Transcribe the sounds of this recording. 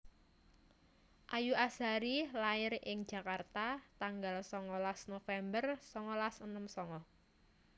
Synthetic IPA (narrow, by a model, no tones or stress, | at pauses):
ʔajuʔasaɾilaɪrɪŋ̥d͡ʒ̥a̤kart̪at̪aŋɡalsɔŋɔlasnofɛmbərsɔŋɔlasənəmsɔŋɔ